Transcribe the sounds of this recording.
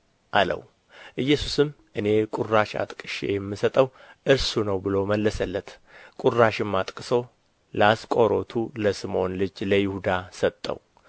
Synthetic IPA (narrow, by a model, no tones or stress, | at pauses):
ʔalə̰w | ʔɨjːɛsusɨm | ʔɨne̞kʼuraʃa̰t̪ʼkʼɨʃḛjɛmːɨsət̪ʼəw | ʔɨɾsunəwbɨloməlːəsəlːət̪ | kʼuraʃɪmːat̪ʼkʼɨso̞ | laskʼo̞ɾo̞t̪ʰuləsɨmo̞nlɨd͡ʒləjɪhud̪asət̪ʼːə̰w